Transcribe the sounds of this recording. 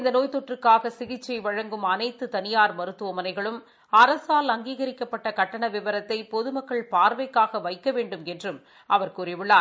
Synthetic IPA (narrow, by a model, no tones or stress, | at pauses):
ɪnd̪ɐnoːjt̪ɔʈrɯkːaːɣɐsɪɣɪt͡ʃːɐɪʋɐɻɐŋɡɯmɐnɐɪt̪ːɯt̪ɐnɪjaːɾmɐɾɯt̪ːɯʋɐmɐnɐɪɣɐɭɯm | ɐɾɐsaːlɐŋɡiːɣɐɾɪkːɐpːɐʈːɐkɐʈːɐɳɐʋɪʋɐɾɐt̪ːɐɪpɔðɯmɐkːɐɭpaːɾʋɐɪkːaːɣɐʋɐɪkːɐʋeːɳɖɯmɛndrɯm | ɐʋɐɾkuːɾɪʋɯɭːaː